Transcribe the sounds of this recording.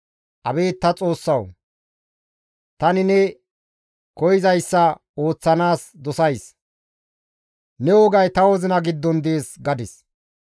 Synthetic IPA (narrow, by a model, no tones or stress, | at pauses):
ʔɐbe̞ːt̪ːɐt͡sʼo̞ːsːɐw | t̪ɐnɪnɛ | kɔjɪzɐjsːɐ | o̞ːt͡sːɐnaːsd̪ɔsɐjs | nɛwɔɡɐjt̪ɐwɔzɪnɐɡɪd̪ːɔnd̪eːsɡɐd̪ɪs